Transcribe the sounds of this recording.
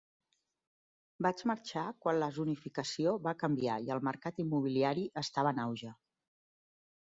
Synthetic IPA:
bad͡ʒməɾt͡ʃakwanləzunifikəsioβakəmbiaiəlˠməɾkat̪imːuβiliaɾiʔəst̪aβənawʒə

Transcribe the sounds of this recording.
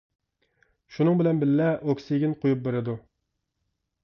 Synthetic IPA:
ʃunɨŋbɪlɛnbɪlːɛʔokʲsɪɡʲinqʰojup̚beɾɪd̪u

